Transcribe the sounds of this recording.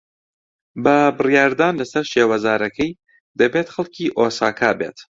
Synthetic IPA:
bɐbɨrjaːɾd̪aːnlɐsɐɾʃeːwɐzaːɾɐkʰɐj | d̪ɐbeːt̪xɐlˠkʰiːʔoːsaːkʰaːbḛːt̪

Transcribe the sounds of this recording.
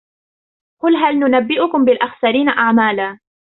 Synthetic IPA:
qʊlɦalnʊnabːɪʔʊkʊmbɪlʔaxsaɾiːnaʔaʕmaːlaː

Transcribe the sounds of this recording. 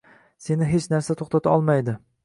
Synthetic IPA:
se̞nɪɦe̞t͡ʃnaɾsat̪ʰoχt̪at̪ʰaɒlˠmajd̪ɪ

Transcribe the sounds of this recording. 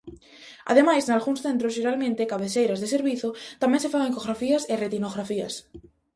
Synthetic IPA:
a̰ðemajsnalɣunsθe̞nt̪ɾozʒeɾalmẽnt̪ekaβeθejɾazðeseɾβiθot̪amjensefaɣeŋkoɣɾafiaseret̪inoɣɾafia̰s

